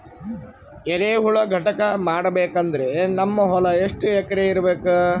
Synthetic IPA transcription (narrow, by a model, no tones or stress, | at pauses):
eɾeːɦuɭɐɡʱɐʈɐkɐmaːɽɐbeːkɐnd̪ɐɾenɐmːɐɦɔlɐeʂʈɛkɐɾeiɾɐbeːku